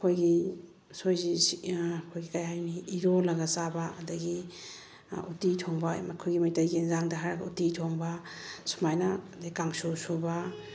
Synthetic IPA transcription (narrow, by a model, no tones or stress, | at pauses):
ɐkʰojɡi | sojzi | kʰojɡikajhajniiɾolɐɡɐsabɐːdɐɡi | utitʰoŋbamɐkʰojɡimɐjtajɡinzaŋdɐɦajɾaɡɐutitʰoŋba | su̥majnɐdɐɡikaŋsusubɐ